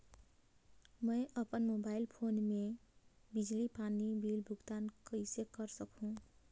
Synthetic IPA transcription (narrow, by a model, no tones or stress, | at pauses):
mʌ̃jəpənmobailpʰonmebid͡ʒlipanibilbʱuɡt̪ankəɪsekʌɾsʌkũ